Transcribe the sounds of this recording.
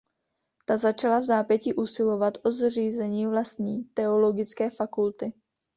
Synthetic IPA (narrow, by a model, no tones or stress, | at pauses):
t̪azat͡ʃalavzaːpjɛciʔusɪlo̞vat̪ʔozriːzɛɲiːvlast̪ɲiːt̪ɛo̞lo̞ɡɪt͡skɛːfakult̪ɪ